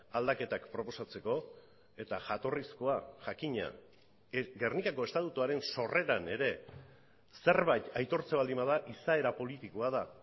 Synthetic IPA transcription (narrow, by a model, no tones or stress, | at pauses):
ald̪ake̞t̪akpɾo̞po̞sat͡se̞ko̞ | e̞t̪aʝat̪o̞risko̞aʝakiɲa̰ | ɡe̞rnikako̞e̞st̪at̪ut̪uaɾe̞nso̞re̞ɾane̞ɾe̞ | se̞ɾβajt̪ajt̪o̞ɾt͡seβald̪imað̞aʔisae̞ɾapo̞lit̪ikoað̞a